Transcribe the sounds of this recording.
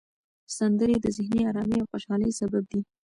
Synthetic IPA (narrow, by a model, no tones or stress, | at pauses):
sand̪əɾed̪əzɪhniaɾɑmiawxoʃɑləjsabab̚d̪i